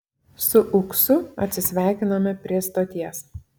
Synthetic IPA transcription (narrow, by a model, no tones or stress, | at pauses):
sʊʔʊksʊɐ̰t̪ʲsʲɪsʲʋʲæˑɪkʲɪnɐmʲɛpʲɾʲiɛst̪oːt̪ʲiɛs